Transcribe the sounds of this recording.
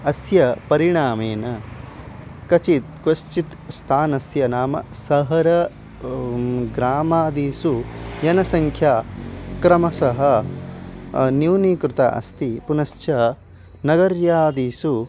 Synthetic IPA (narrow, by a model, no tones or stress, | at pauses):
ɐsjɐpɐɾiɳaːmeːnɐ | kɐt͡ʃit̪̚kʋɐʃt͡ʃit̪st̪ʰaːnɐsjɐnaːmɐ̰sɐɦɐɾɐ | ɡɾaːmaːd̪iːsujɐnɐsɐŋkʰjaːkɾɐmɐsɐɦɐ | njuwniːkɾut̪ɐ̰ʔɐ̰st̪ipunɐst͡ʃɐ | nɐɡɐɾjaːd̪iːsu